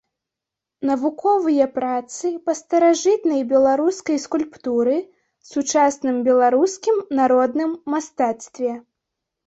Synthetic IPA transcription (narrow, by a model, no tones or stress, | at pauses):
nɐvukɔvɨjɐpɾat̪sɨpɐst̪ɐɾaʐɨt̪nɐjbʲɛlˠaɾuskɐjskulʲpt̪uɾɨ | sut͡ʂasnɨmbʲɛlˠaɾuskʲimnaɾɔd̪nɨmːast̪at̪st̪vʲɛ